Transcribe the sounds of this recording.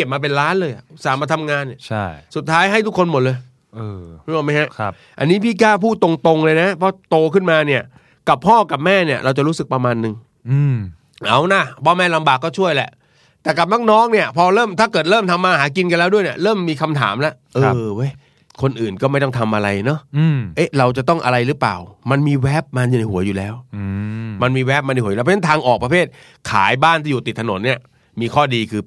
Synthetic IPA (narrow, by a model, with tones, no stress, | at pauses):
i˨˩p̚maː˧p̬e˧nɾaː˦˥nlɤː˧jʔa̰˨˩ʔsaː˨˩˦maː˧˩t̪ʰa˧mŋaː˧nːi˧˩t͡ɕʰa˥˩jsu˨˩t̪ʰːaː˦˥jɦa˥˩jt̪ʰu˦˥kʰːo˧nmo˨˩t̪̚lɤː˧j | ʔɤː˧u˦aː˨˩ma˦˥jɦa˦˥ʔʰ | ʔa˧nːiː˦˥pʰiː˥˩kaː˥˩pʰuː˥˩t̪o˧ŋt̪o˧ŋlɤː˧jna˦˥pʰɔ˦˥t̪oː˧kʰɯ˥˩nmaː˧ni˥˩ɐ | ka˨˩pʰːɔː˥˩ka˨˩p̚mɛː˥˩ni˥˩ɐɾʔa˧wt͡ɕa˨˩ɾuː˦˥sɯ˨˩k̚pɾa˧maː˧nːɯ˧ŋ˧ | ʔa˨˩wna˧˩pʰɔ˦˥˩mɛː˥˩la˧mbaː˨˩kːɔː˥˩t͡ɕʰu˥˩əjlɛ̰˨˩ʔ | t̪ɛː˨˩ka˨˩p̚nɔː˥˩nɔː˦˥ŋni˥˩ɐpʰɔː˧ɾɤː˥˩mt̪ʰaː˥˩kɤː˨˩t̪̚ɾɤː˥˩mt̪ʰa˧mːaː˧haː˩˦k̬i˧nka˧nlɛː˦˥wdu˥˩əjni˥˩əɾɤː˥˩mːiː˧kʰa˧mt̪ʰa̰ː˩˦mlɛ˦˥ʔʔɤː˧wa˦˥j | kʰo˧nʔɯː˨˩nkɔː˥˩ma˥˩jt̪ɔ˥˩ŋt̪ʰa˧mʔa˧ɾa˧jnɔ˦˥˧ʔe˦˥jɾa˧wt͡ɕa˨˩t̪ɔ˥˩ŋʔa̰˧ɾa˧jɾɯː˦˥pa̰ː˨˩wma˧nmiː˧wɛ˦˥p̚ma˧njuː˨na˧jhu˩˦ɐjuː˨˩lɛː˦˥w | ma˧nmiː˧wɛː˦˥p̚ma˧n˧jhuː˩˦˨pʰːa˥t̪ʰaː˧ŋʔɔː˨˩k̚pɾa˧pʰeː˥˩t̪̚ | kʰa̰ː˩˦jbaː˥˩nt̪iː˥˩˨uː˨˩t̪i˨˩t̪ʰːa˧no˩˦nːi˥˩ɐ | miː˧kʰɔː˥˩diː˧kʰɯː˧